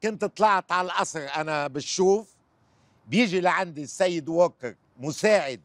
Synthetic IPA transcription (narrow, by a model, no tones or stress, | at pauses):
kʊnt̪t̪ˤlɑʕt̪ʕalaʔɑsɾʔanabɪt̪ʃuːf | bjɪʒilaʕand̪isːajːɪd̪woːkɪɾ | mʊsaːʕɪd̪̚